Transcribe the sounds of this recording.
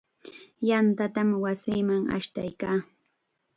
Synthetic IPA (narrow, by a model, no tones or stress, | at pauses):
jant̪at̪amwasiːmaŋa̰ʃt̪a̰jkaː